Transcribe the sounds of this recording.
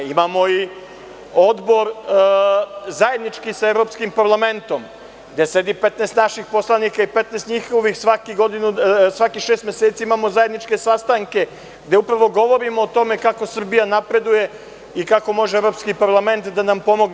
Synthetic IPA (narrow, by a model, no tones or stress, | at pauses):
imamo̞i | o̞d̪bo̞ɾ | zaje̞d̪nit͡ʃkisaevɾo̞ːpskimpaɾlˠame̞nt̪o̞m | ɡd̪ese̞d̪ipe̞t̪nest̪naʃixpo̞slˠanikaipe̞t̪nest̪ɲixo̞ʋixsʋakiɡod̪inusʋakixʃeːst̪mʲeset̪siimaːmo̞zaje̞d̪nit͡ʂke̞sast̪aŋke̞ | ɡd̪e̞upɾaʋo̞ɡo̞ʋo̞ɾimoːt̪o̞me̞kako̞sr̩bijanapɾe̞d̪uje̞ | ikako̞mo̞ʒeevɾo̞pskipaɾlˠame̞nt̪d̪anampo̞mo̞ɡne